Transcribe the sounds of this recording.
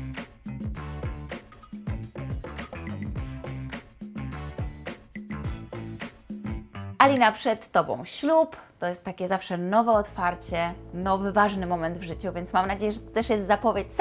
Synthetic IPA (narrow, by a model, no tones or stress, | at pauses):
alʲinapʂɛt̪ːɔbɔ̰̃w̃ɕlupt̪ɔjɛst̪ːakʲɛzafʂɛnɔvɛɔt̪faɾt͡ɕɛnɔvɘvaʐnɘmɔmɛnd̪vʐɘt͡ɕuvʲjɛnt̪smamnad͡ʑejɛʐɛt̪ɔt̪ɛʂjɛst̪zapɔvʲjet͡ɕs